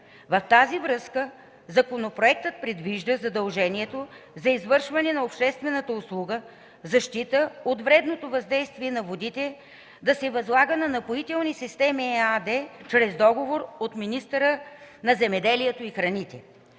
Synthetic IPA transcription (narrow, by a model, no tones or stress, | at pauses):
vɐft̪azivɾɤskə | zɐkonopɾoɛk̚t̪ət̪̚pɾɛd̪viʒd̪əzɐd̪ɐlˠʒɛniɛt̪ozɐizvɤɾʃvɐnɛnɐopʃt̪ɛst̪vɛnət̪əʊslˠuɡə | zɐʃt̪it̪əot̪vɾɛd̪not̪ovɐzd̪ɛjst̪viɛnɐvod̪it̪ɛ | d̪ɐsɛvɐzlˠaɡənɐnɐpoit̪ɛlˠnisist̪ɛmiad̪ɛt͡ʃɾɛzd̪ɔɡovoɾot̪minist̪əɾənɐzɛmɛd̪ɛliɛt̪oixɾɐnit̪ɛ